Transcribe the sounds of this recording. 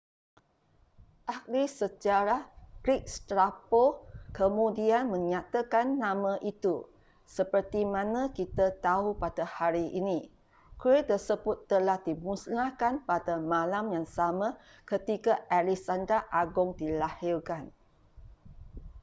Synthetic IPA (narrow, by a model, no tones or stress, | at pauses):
ʔak̚lisət͡ʃaɾaɡɾik̚st̪ɾapokəmũdianmə̃ŋat̪akanːãmãʔit̪u | səpərt̪imãnãkit̪at̪aɦupadahaɾiʔini | kɾet̪ərsəbʊt̪ːəlahdimusnahkanpadamãlamjaŋsamã | kət̪ikaʔalisandɾaʔaɡʊŋdilahirkan